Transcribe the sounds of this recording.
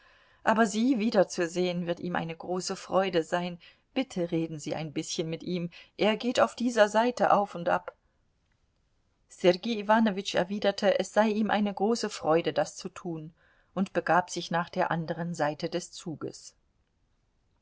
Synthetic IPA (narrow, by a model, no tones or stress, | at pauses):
ʔaːbɐziːviːdɐt͡suzeːənvɪɐtʔiːmʔa̰ɪnəɡʁoːsəfʁ̥ɔʏdəzaɪn | b̥ɪtʰəʁeːdn̩ziːʔa̰ɪnbɪsçənmɪtʔiːmʔeːɐɡeːtaʊfd̥iːzɐzaɪtəʔaʊfʊntʔa̰p | sɛʁɡiːivaːnovɪt͡ʃɛ̰ɐviːdɐtʰəʔɛsz̥aɪʔiːmʔa̰ɪnəɡʁoːsəfʁ̥ɔʏdədast͡sutʰuːn | ʔʊntb̥əɡaːpz̥ɪçnaːχd̥eːɐʔandəʁ̞ənzaɪtədɛst͡suːɡə̰s